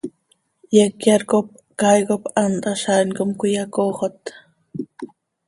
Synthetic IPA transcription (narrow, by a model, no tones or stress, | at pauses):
jekjaɾkop̚ | kajkopand̪aʃankomkʊjakoχot̪